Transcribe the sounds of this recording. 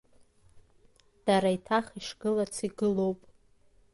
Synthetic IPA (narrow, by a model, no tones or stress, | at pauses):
d̥aɾaitʰaχiʂɡ̥ɨlat͡sʰiɡɨlo̞wpʼ